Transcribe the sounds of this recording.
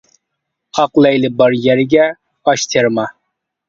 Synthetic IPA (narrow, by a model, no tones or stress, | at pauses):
qʰɑqlˠɛjlɪbɑɾjɛɾɪɡʲɛ | ɑʃt̪ʰeɾmɑ